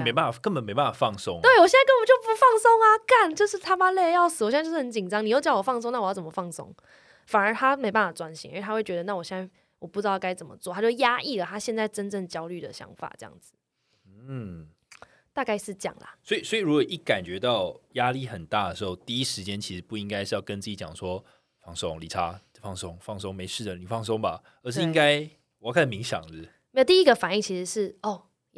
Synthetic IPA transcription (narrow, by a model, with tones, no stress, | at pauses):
me˧˥ɪpa˥˩nfa˨˩kə˥nbə˨˩nme˧˥ɪpa˥˩nfa˨˩fɑ˥˨ŋ˩sʊ˦˥ŋt̪we˥˩ɪwɔ˨˩ɕjɛ˥˩nt͡sa˥˧kə˥nbpə˨˩t͡ɕjo˥˩ʊpu˧fɑ˥˩ŋsʊ˥ŋa˧ka˥˩nt͡ɕjo˥˧ʊʂɻ̩˥˩t̪ʰa˥pa˥le˥˧˦jɑ˥˩ʊs̩˨wɔ˨˩ɕʂ̩˥˩ə˧˦nt͡ɕi˨˩nʈ͡ʂɑ˦ŋni˨jo˥˧ʊt͡ɕjɑ˥˩ʊwɔ˨˩fɑ˥˧ŋs̬o˥ŋna˥˩wjɑ˥˩t͡sə˩mə˩fɑ˥˩ŋsʊ̰˥ŋ | fa˨˩nə˞˧˦t̪ʰa˥me˧˥ɪpa˥˩n˩fa˨˩ʈ͡ʂwa˦nɕḭ˧˦ŋə̰˞˥˧˥t̪ʰa˥xwe˥˩ɪt͡ɕɛ˧d̪ə˧na˥˩wɔ˨˩ɕjɛ˥˧nt͡sa˥˩ | wɔ˨˩pu˥˩ʈ͡ʂɻ̩˥˧˥ka˥ɪt͡sə˨˩mə̰˦t͡swɔ˥˨t̪ʰa˥t͡ɕo˥˧˥ja˥ʔi˥˩lə˩t̪ʰa˥ɕjɛ˥˧nt͡sa˥˩ɪʈ͡ʂə˦nʈ͡ʂə˥˩ŋt͡ɕjɑ˥ʊly˥˩d̪ə̰˩ɕjɑ̰˧˥ŋfa̰˨˩ʈ͡ʂɤ˥˩jɑ̰˥˩ŋd͡z̩˩ | n̩˥˩ | t̪a˥˧ka˥˧ɪʂɻ̩˥˧t͡ɕjɑ̰˨˩ŋla̰˩swɔ˧˥i˨˩swɔ˧˥i˨ɻu˧˥kɔ˨˩ʔi˥˩ka˨˩nt͡ɕɥɛ˧˥t̪ɑ˥˨ʊja˦li˥˨˩xə˨˩nt̪a˥˩d̪ə˩ʂɻ̩˧˥xo˥˧ʊt̪i˥˧i˦˥ʂɻ̩˧˥t͡ɕjɛ˦˥nt͡ɕʰi˧˥ʂɻ̩˧˦pu˥˩i˥ŋka˥ɪʂɻ̩˥˧jɑ˥˩ʊkə˧˦nt͡s̩˥˩t͡ɕi˧˥˩t͡ɕjɑ̰˨˩ŋʂwɔ˦ | fɑ˥˩ŋso˥˧ŋli˨˩ʈ͡ʂʰa˦˥˩ | fɑ˥˩ŋso˥ŋfɑ˥˩ŋs̬o˥ŋme˧˥ɪʂɻ̩˥˩d̪ə˩ni˨˩fɑ˥˩ŋs̬o˥ŋba˨ | ə˧˥ʂɻ̩˥˩i˧˦˥ŋka˥ɪ˨ | jkʰa˥˩n˨mi˧˥ŋɕjɑ̰˨˩ŋl̩˧˦ | me˥jt̪i˥i˦˥ɡə˨fa˨˩ni˥˩ŋt͡ɕʰi˧˥ʂɻ̩˧˦ʂɻ̩˥˩o˥˩